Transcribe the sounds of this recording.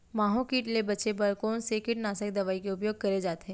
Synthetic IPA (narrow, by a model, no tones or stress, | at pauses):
maːɦõkiːʈlebɐt͡ʃebɐɾkoːnsekɪʈnaːsək̚d̪ɐʋaːikeʊp̬joːɡ̚kɐɾed͡ʒaːt̪eɦɛ̃